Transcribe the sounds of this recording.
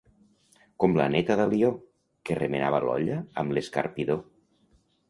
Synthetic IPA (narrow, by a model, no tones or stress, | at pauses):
komla̰net̪əðəlio | keremena̰βəlɔ̰ʎəːmleska̰ɾpiðo